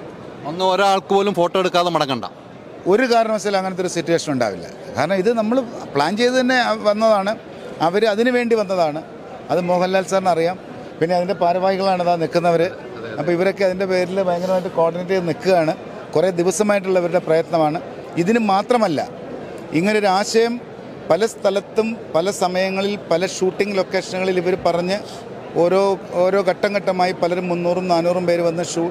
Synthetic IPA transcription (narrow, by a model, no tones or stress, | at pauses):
onːɨoɾɐaːɭkɨpo̞ːlumfo̞ːʈːoːeɽukːaːðemɐɽɐŋːɐɳɖa̰ː | o̞ɾukaːɾɐɳɐmɐsɐlɐŋːɐnet̪ːoɾusitːuwe̞ːʂɐnuɳɖa̰ːʋḭlːɐ̰kaːɾɐɳɐmiðɨnɐmːɐɭpɭaːnt͡ɕe̞jt̪ɨt̪ɐnːe̞ʋɐnːɐðaːɳɨ | ɐʋɐɾɨɐðinɨʋe̞ːɳɖiʋɐnːɐðaːɳɨ | ɐðɨmo̞ːɦɐlːaːlsaːrnɐrijaːm | pinːe̞ɐðinde̞paːɾɐʋaːhiɣɐɭaːɳɐðaːnikːunːɐʋɐɾɨ | ɐpːɐiʋɐɾo̞kːeɐðinde̞pe̞ːɾilbɐjɐŋɡɐnɾɐmaːjiʈ̬ːɨko̞ːrɖinet̬ːinikːuɣaːɳɨ | kure̞ːd̪iʋɐsɐmaːjiʈ̬ːuɭːɐʋɐɾuɽe̞prɐjɐt̪nɐmaːɳɨ | iðinumːaːt̪rɐmɐlːɐ̰ | iŋːɐneo̞ɾuaːɕɐjɐm | pɐlɐst̪ʰɐlɐt̪ːumpɐlɐsɐmɐjɐŋːɐɭilpɐlɐʂuːʈːiŋɡlo̞ːkːe̞ːʂɐnuɣɐɭiliʋɐɾupɐrɐɲːɨ | o̞ːɾo̞ːoːɾo̞ːkɐʈːɐŋɡɐʈːɐmaːjipɐlɐɾumːunːuːrumnaːnuːrumpe̞ːɾuʋɐnːɐʂuː